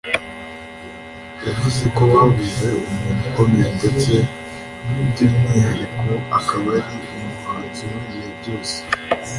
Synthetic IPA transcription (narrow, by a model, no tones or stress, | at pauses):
javuzeko̞wavuze̞umuːnukomiɾinde̞t͡se | nubdimɲihaɾikʰo̞akaβaɾiumumatujibɟo̞ːse̥